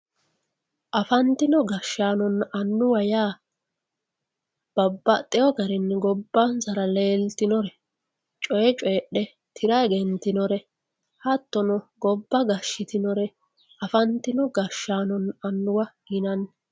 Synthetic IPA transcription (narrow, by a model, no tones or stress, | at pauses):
ʔɐfɐnt̪ːɪnɔɡɐʃaːnɔnɐnːʊwɐjaː | b̥ɐbːɐt̪ʼːɛjɔɡɐɾɪnɡɔbːɐnsɐɾɐle̞ːlt̪ɪnɔɾɛ | t͡ʃʼɔjɛt͡ʃʼɔjɛɗɛ | t̪ʰɪɾɐjɡɛnt̪ɪnɔɾɛ | hɐt̪ːɔnɔɡɔbːɐɡɐʃːɪt̪ɪnɔɾɛ | ɐfɐnt̪ːɪnɔɡɐʃaːnɔnɐnːʊwɐɡɪnɐn